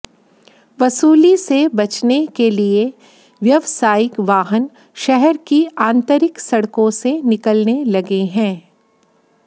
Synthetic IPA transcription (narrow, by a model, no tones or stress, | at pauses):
ʋɐsuːlisebɐt͡ʃnekelie | ʋjɐʋsaːjɪkʋaːɦən | ʃɛɦɛɾkiãːnt̪əɾɪksɐɽkõsenɪkəlnelɐɡeɦɛ̃ː